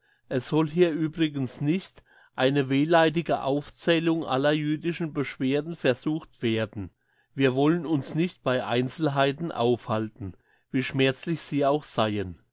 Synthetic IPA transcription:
ʔɛsz̥ɔlɦiːɐʔyːbʁɪɡən̩snɪçt | ʔaɪnəveːlaɪt̬ɪɡəʔa̰ʊft͡sɛːlʊŋʔa̰lɐjyːdɪʃn̩bəʃv̥eːɐdn̩fɛɐzuːxtv̥eːɐdn̩ | viːɐvɔlənʊnsnɪçt̚b̥aɪʔa̰ɪnt͡sl̩ɦaɪtn̩ʔa̰ʊfhaltn̩ | viːʃmɛɐt͡slɪçz̥iːaʊxz̥aɪən

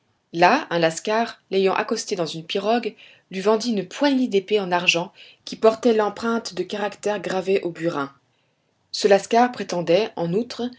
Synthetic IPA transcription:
laɛ̃laskaʁlejɑ̃ʔa̰kɔst̪ed̪ɑ̃zynpiʁɔɡ | lɥivɑ̃d̪iynpwaɲed̪epeɑ̃naʁʒɑ̃ | kʲipɔʁt̪ɛlɑ̃pχɛ̃t̪d̪əkaʁakt̪ɛʁɡʁaveʔobyʁɛ̃ | səlaskaʁpχet̪ɑ̃d̪ɛɑ̃nut̪χ

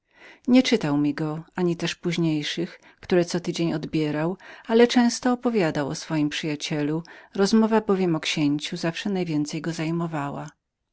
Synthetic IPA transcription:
ɲɛt͡ʂɘt̪awmʲiɡɔaɲit̪ɛʂpuʑɲejʂɨx | kt̪uɾɛt̪sɔt̪ɘd͡ʑeɲɔd̪bʲjɛɾawalɛt͡ʂɛ̃w̃st̪ɔːpɔvʲjad̪awɔ̰sfɔjimpʂɨjat͡ɕɛluɾɔzmɔvabɔvʲjɛmɔkɕeɲt͡ɕuzafʂɛnajvʲjɛnt̪sɛjɡɔzajmɔvawa̰

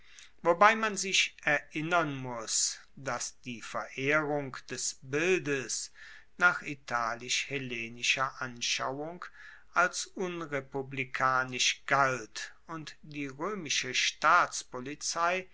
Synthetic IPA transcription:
vobaɪmanzɪʃʔɛɐʔɪnɐnmʊsd̥asd̥iːfɛɐʔeːʁʊŋkd̥ɛsbɪldəs | naːχitʰaːlɪʃheleːnɪʃɐʔanʃa̰ʊʊŋk | ʔalsʔʊnʁepublikʰaːnɪʃɡ̥altʔʊntd̥iːʁøːmɪʃəʃtaːt͡spolit͡saɪ

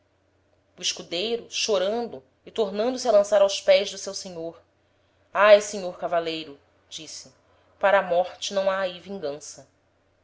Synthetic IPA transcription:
uiʃkud̪ejɾʊʃoɾɐ̃nd̪ʊ | ɪt̪oɾnɐ̃nd̪ʊsiɐlɐ̃saɾawspɛjzd̪ʊsewseɲoɾ | ajseɲoɾkavalejɾʊ | d͡ʒisɪ | paɾɐːmɔɾt͡ʃɪnɐ̃w̃aːivĩɡɐ̃sɐ

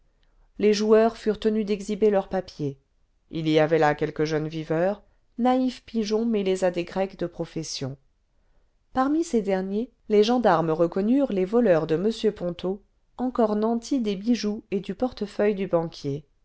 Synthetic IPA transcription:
leʒuœʁfyʁt̪ənyd̪ɛɡzibelœʁpapje | iliavɛlakʲɛlkəʒœnvivœːʁ | naifpiʒɔ̃mɛlezad̪eɡʁɛkd̪əpχɔfɛsjɔ̃ | paʁmised̪ɛʁnje | leʒɑ̃d̪aʁmʁəkɔnyʁlevɔlœʁd̪əməsjøpɔ̃t̪o | ɑ̃kɔʁnɑ̃t̪ʰid̪ebiʒued̪ypɔʁt̪əfœjd̪ybɑ̃kʲje

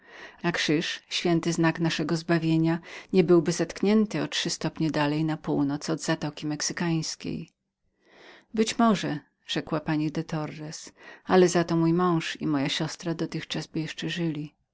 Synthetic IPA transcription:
nakʂɘʂɕfʲjɛnt̪ɘznaknaʂɛɡɔzbavʲjeɲaɲɛbɘwbɘzat̪kɲɛnt̪ɘɔtʂɘst̪ɔpɲɛd̪alɛjnapuwnɔt̪sɔd̪zat̪ɔkʲimɛksɘkaj̃skʲḛj | bɘt͡ɕmɔʐɛ | ʐ̥ɛkwapaɲid̪ɛt̪ɔɾːɛsalɛzat̪ɔmujmɔ̃w̃ʂḭmɔjaɕɔst̪ɾad̪ɔt̪ɘxt͡ʂazbɘjɛʂt͡ʂɛʐɘlʲi

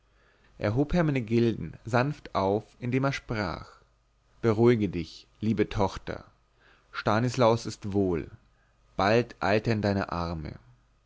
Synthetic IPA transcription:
ʔḛːɐɦoːpheːɐmaɪnəɡɪldn̩zanftʔaʊfɪndeːmeːɐʃpʁ̥a̰ːχ | b̥əʁuɪɡədɪçliːbətʰɔχtɐ̰ | ʃtaːnəslaʊsɪstv̥oːl | b̥altʔa̰ɪltendaɪnə̰ʔaʁmə̰

